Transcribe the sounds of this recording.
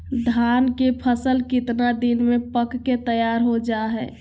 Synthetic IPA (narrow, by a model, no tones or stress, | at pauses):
d̪ʱaːnkepʰəsəlkɪt̪nad̪inmẽpəkːet̪əjaːɾɦod͡ʒaɦɛː